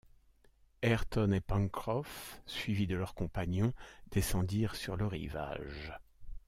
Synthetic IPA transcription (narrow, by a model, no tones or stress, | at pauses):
ɛʁt̪ɔnepɑ̃ŋkχɔfsɥivid̪əlœʁkɔ̃paɲjɔ̃d̪̥esɑ̃d̪iʁsyʁləʁḭva̰ʒ